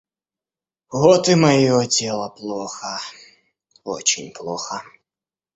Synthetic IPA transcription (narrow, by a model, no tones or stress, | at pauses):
ɣɔt̪ɨmɐjɔtʲɛlˠɐplˠɔxɐ | ɔ̰t͡ɕɪnʲplˠɔxɐ